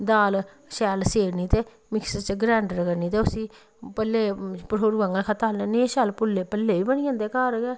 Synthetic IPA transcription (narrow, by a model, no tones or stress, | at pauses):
d̪aːl | ʃɛːlseːɾniːt̪eː | mɪkst͡ʃɡɾɛːɳɖəɾkəɾniːt̪eːʊsĩː | pɛlːeːpəʈʰoːɾuɡə̃ŋɡəlkʰət̪aːlnenẽʃɛːlpʊlːeːpɛlːeːʋiːbəñiãːnd̪eːkaːɾɡɛː